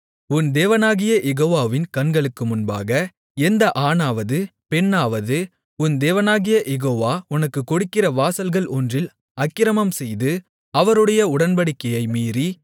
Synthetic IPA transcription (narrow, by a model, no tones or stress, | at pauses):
ʊnd̪eːʋɐnaːɣɪjɐʔɛɣoːʋaːʋɪnkɐnɡɐɭɯkːɯmʊnba̰ːɣɐ | ɛnd̪ɐʔaːnaːʋɐðɯpɛnːaːʋɐðɯ | ʊnd̪eːʋɐnaːɣɪjɐʔɛɣoːʋaːʊnɐkːɯkːɔɽɯkːɪrɐʋaːsɐlɣɐɭʔɔndrɪl | ɐkːɪɾɐmɐmsɛjðɯ | ɐʋɐɾɯɽɐjɐʊɽɐnbɐɽɪkːɐjɐɪmiːri